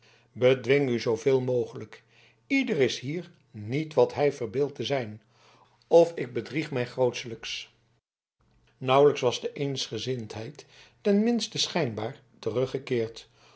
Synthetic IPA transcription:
bədʋɪŋyzowvɪːlˠmowχələk | idərɪsɦiːɹ | nitʋɑtɦɛjvərbɪːlˠtəzɛjn | ɔfɪɡ̚bədriχmɛjχrowtsələks | nʌwləksʋɑzdəʔejnsχəzɪntɦɛjtː | ɛnmɪnstəsχɛjnbaːɹ | tərɵχəkɪːɹt

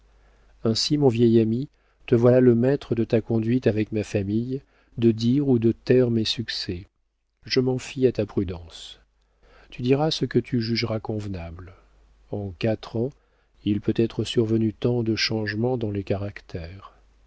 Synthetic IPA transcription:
ɛ̃simɔ̃vjɛjami | t̪əvwalaləmɛt̪χəd̪ət̪akɔ̃d̪ɥit̪avɛkmafamij | d̪əd̪iʁud̪ət̪ɛʁmɛsyksɛ | ʒəmɑ̃fiat̪apχyd̪ɑ̃s | t̪yd̪iʁasəkət̪ʰyʒyʒʁakɔ̃vnabl | ɑ̃kat̪χɑ̃ | ilpøt̪ɛt̪χəsyʁvənyt̪ɑ̃d̪əʃɑ̃ʒmɑ̃d̪ɑ̃lekaʁakt̪ʰɛːʁ

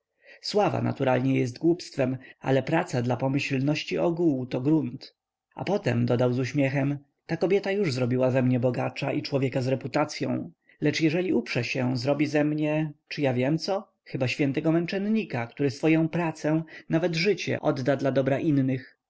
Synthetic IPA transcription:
swava̰na̰t̪uɾalɲɛjɛst̪ɡwupst̪fɛma̰lɛpɾat̪sad̪lapɔmɘɕlnɔɕt͡ɕiʔɔɡuwt̪ɔɡɾunt̪ | a̰pɔt̪ɛ̰md̪ɔd̪awzuɕmʲjɛxɛm | t̪akɔbʲjɛt̪ajuʐzɾɔbʲiwavɛmɲɛbɔɡat͡ʂaʔit͡ʂwɔvʲjɛkazɾɛput̪at̪sʲjɔ̰̃w̃ | lɛt͡ʂjɛʐɛlʲiupʂɛɕɛzɾɔbʲizɛmɲɛt͡ʂɨjavʲjɛmt̪sɔ | xɘbaɕfʲjɛnt̪ɛɡɔmɛnt͡ʂɛnɲikakt̪uɾɘsfɔjɔ̃w̃pɾat̪sɛ̃navɛd̪ʐɘt͡ɕɛ̰ʔɔd̪ːad̪lad̪ɔbɾaʔinːɘx

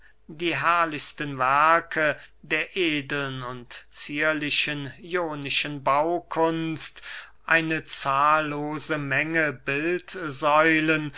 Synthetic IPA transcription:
diːɦɛɐlɪçstənvɛɐkʰədeːɐʔeːdl̩nʊntt͡siːɐlɪʃənjoːnɪʃənbaʊkʰʊnst | ʔaɪnət͡saːlːoːzəmɛŋəbɪltzɔʏlən

